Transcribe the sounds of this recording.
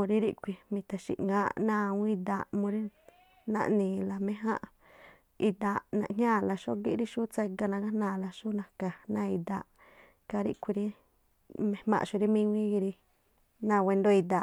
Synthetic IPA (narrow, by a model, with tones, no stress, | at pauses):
mũ˧ɾi˦ɾi˦ʔkʷi˧mĩ˧t̪a˨ʃḭ˨ʔŋãː˧˦ʔnãː˦˧˨wĩ˦d̪a˧˨ʔmũ˧ɾi˦ | nã̰˧ʔnĩː˨la˨mẽ˧ɦã̰˦ʔ | i˧d̪a˧˨ʔnã̰˧ʔɲɲʲãː˦˨la˧ʃo˦ʔɡi˦ʔɾi˦ʃu˦t͡se˧ɡa˧nã˧ɡa˦hnãː˧˨la˧ʃu˦nã˧ka˨nã˧i˧d̪a̰˧˨ʔ | ka˧ɾḭ˦ʔkʷi˧ɾi˦ | mẽ˧mã̰˧ʔʃu˧ɾi˦mĩ˦wĩ˦ɡi˧ɾi˧ | nã˧we˧nd̪o˦i˧d̪a˧˨ʔ